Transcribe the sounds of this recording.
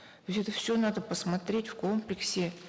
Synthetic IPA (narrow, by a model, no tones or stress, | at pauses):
t̪osʲɛt̪əfsʲonad̪əpəsmɐt̪ɾʲetʲfkomplʲɪksʲɪ